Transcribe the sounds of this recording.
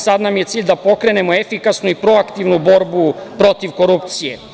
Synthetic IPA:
sad̪namje̞t̪siːʎd̪apo̞kɾe̞ne̞mo̞efikasnuipɾo̞akt̪iʋnubo̞ɾbupɾo̞t̪iʋko̞ɾupt̪sije

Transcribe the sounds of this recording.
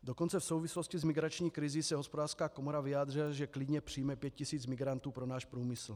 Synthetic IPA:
dokont͡sɛfsowvisloscizmɪɡɾat͡ʃɲiːkɾizisɛɦospodaːr̥skaːkomoɾavijaːd̪r̝ilaʒɛklɪdɲɛpr̥ijmɛpjɛt̪̚cisiːt͡smɪɡɾant̪uːpɾonaːʃpɾuːmɪsl̩

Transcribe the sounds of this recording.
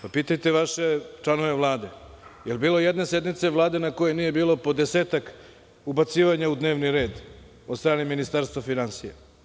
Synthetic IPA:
papiːt̪ajt̪eʋaʃet͡ʃlˠano̞ʋe̞ʋlˠaːd̪e̞ | jelbiːlˠojed̪nese̞d̪mit̪se̞ʋlˠaːd̪e̞nako̞jeniːje̞biːlo̞po̞d̪eseːt̪ak | ubat̪siːʋaɲaud̪ne̞ːʋniɾe̞ːd̪ | od̪st̪ɾaːneminist̪aɾst̪ʋafinansija̰

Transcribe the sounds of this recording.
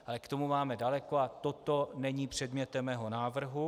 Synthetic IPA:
ʔalɛkt̪o̞mumaːmɛdalɛko̞at̪o̞t̪o̞nɛɲiːpr̥ɛdmɲɛt̪ɛmːɛːɦo̞naːvr̩ɦu

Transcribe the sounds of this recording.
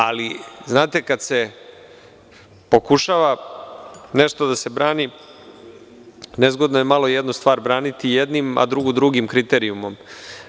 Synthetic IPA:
aliznaːt̪e̞kad̪se̞ | po̞kuʃaʋa | ne̞ʃt̪od̪ase̞bɾaːni | nezɡod̪nojemalo̞jed̪nust̪ʋaːɾbɾaːnit̪ijed̪nima̰d̪ɾuɡud̪ɾuɡimkɾit̪e̞ɾiumo̞m

